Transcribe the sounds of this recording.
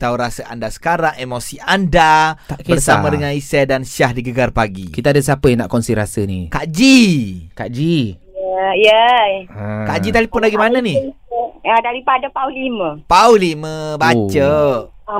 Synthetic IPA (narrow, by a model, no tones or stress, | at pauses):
t̪auɾasəʔa̰ndasə̥kaɾaŋemosiʔandat̪aʔkeərsamãdəŋanisɛdansiahdiɡəɡarpaɡikit̪aadəsapəjana̰ʔkɔnsiɾasənḭkaʔd͡ʒikaʔd͡ʒi | jə | kaʔd͡ʒit̪alipʊnlaɡimanani | ədaɾipadapaulimə̃pauliməbat͡ʃə